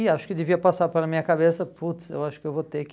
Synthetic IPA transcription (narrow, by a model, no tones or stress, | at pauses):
ɪaʃʊ̥kɪd̪ɪviɐpasaɾpelɐmĩɲɐkabesɐput̪sḛwaʃʊ̥kɪewvot̪ek